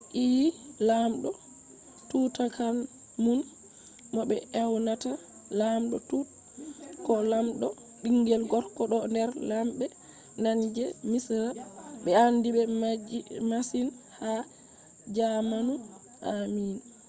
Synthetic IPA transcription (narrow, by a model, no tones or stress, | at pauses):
ʔilamɗɔ | tutakan | mun | mɔɓɛʔɛwnata | lamɗɔtut | kɔlamɗɔ | ɗiŋɡɛlɡɔɾkɔɗɔndɛɾlamɓɛ | naɲd͡ʒɛmisaɓɛandibɛ | masinha | d͡ʒamanu | ʔamin